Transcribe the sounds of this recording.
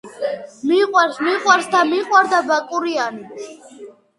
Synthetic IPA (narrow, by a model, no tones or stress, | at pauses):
miqʼwaɾsmiqʼwaɾsd̪amiqʼwaɾd̪abakʼuɾianis